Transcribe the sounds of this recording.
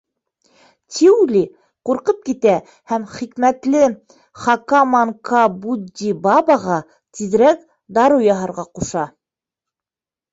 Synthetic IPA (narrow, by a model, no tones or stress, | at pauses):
t̪ʲʰiʉlʲi | quɾqɤp̚kit̪æ | hæmχikmæt̪lɘ | χɑkɑmɑŋkɑbud̪ːibɑbɑʁɑ | t̪ið̆ɾæk | d̪ɑɾujɑɦɑɾʁɑquʃɑ